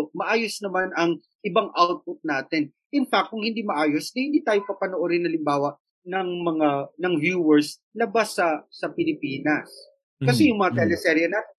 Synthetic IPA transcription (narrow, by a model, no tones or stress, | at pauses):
mɐʔaːjosnɐmanɐŋ | ʔɪbaŋʔawt̪̚pʊt̪̚naːt̪ɛn | ʔɪnfak̚t̪kːʊŋhɪnd̪iːmɐʔaːjosd̪ɐhɪnd̪iːt̪aːjopɐpɐnoʔoɾɪnhɐlɪmbaːwɐʔ | nɐŋmɐŋanɐŋvjuːwɛɹslɐbasːɐsɐpɪlɪpiːnɐs | kɐsɛjʊŋmɐŋat̪ɛlɛsɛɾjɐnat̪